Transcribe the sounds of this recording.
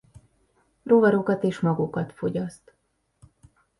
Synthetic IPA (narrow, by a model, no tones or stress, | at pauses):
rovɒɾokɒt̪eːʃmɒɡukɒt̪fo̞ɟɒst̪